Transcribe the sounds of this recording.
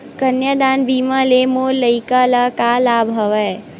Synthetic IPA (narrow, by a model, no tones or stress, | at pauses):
kənjəd̪aːnbiːməlemoːɾləikəlakalabʱɦəʋɛː